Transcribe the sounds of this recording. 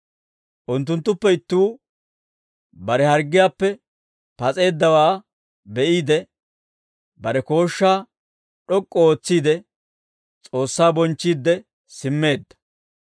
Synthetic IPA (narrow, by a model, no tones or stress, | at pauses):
ʔʊnt̪̬ːʊnt̪ːʊpːɛɪt̪ːuː | bɐɾɛhɐɾɡːɪjaːpːɛ | pɐt͡sʼe̞ːd̪ːɐwaː | bɛʔiːd̪ɛ | bɐɾɛko̞ːʃːaː | ɗɔkʼːɔoːt͡sːiːd̪ɛ | t͡sʼo̞ːsːaːbɔnt͡ʃːiːd̪ːɛ | sɪmːe̞ːd̪ːɐ̥